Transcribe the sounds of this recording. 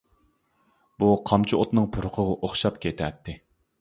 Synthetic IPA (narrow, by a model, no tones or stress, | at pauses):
buqʰɑmt͡ʃʰiot̪nɨŋpʰʊɾqʰəʁʊʔoχʃɑpkʲʰet̪ʰɛt̪ʰːɪ